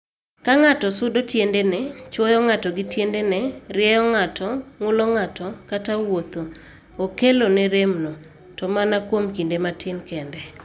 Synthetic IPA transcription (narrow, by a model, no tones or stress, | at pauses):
kaŋatɔsʊdotjendenɛt͡ʃwɔjɔŋatɔɡɪtjendenɛɾɪɛjɔŋatɔŋʊlɔŋatɔkatawot̪o | okelonɛɾemno | tɔmanakwomkindematɪnkɛndɛ